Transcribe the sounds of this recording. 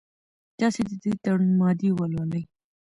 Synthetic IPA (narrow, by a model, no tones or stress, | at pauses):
d̪̥ɑsed̪əd̪ət̪aɽunmɑd̪iwəlwaləj